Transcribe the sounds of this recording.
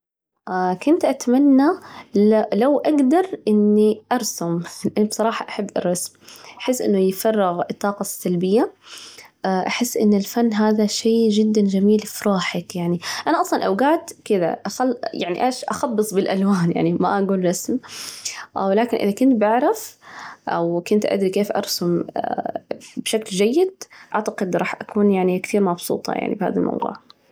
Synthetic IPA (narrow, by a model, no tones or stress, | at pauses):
ʔakʊnt̪ʔat̪manːalalawʔaɡd̪ɑɾˤʔɪnːiʔɑɾˤsʊmʔbsˤɑɾˤɑːħɑʔaħabːʔɑ̰ɾˤːɑsmʔaħɪsːʔɪ̰nːʊjfɑrˤːɪɣɪt̪ˤːɑːqɑsːalbɪjːa | ʔʔaħɪsːʔɪnːɪlfanːɦaːðaʃeːd͡ʒɪd̪ːand͡ʒamiːlfɾˤuːħakjaʕniʔanaʔɑsˤlɑnʔawɡaːt̪kɪd̪a̰ʔxajaʕnḭʔeːʃʔaxɑbːɨsˤbɪlʔalwaːnja̰ʕnima̰ʔaɡuːlɾɑsm | ʔwlaːkɪnʔɪ̰ðakʊnt̪baʕɾˤafʔa̰wkʊnt̪ʔa̰d̪ɾikeːfʔɑ̰ɾˤsʊm | bʃakld͡ʒajːɪd̪̚ʔaʕt̪aqɪd̪ɾˤɑːħʔakuːnjaʕnikt̪iːɾmɑbsˤṵːt̪ˤɑ̰ja̰ʕnḭbha̰ːðalmʔɑ̰wðṵːʕ